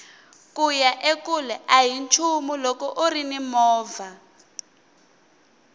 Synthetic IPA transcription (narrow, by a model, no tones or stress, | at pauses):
kujaʔekulɛʔaɦint͡ʃʰumulɔkɔʔurinimɔːva